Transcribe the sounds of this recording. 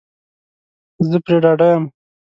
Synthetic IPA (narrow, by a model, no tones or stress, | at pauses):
zəpɾeɖɑɖajəm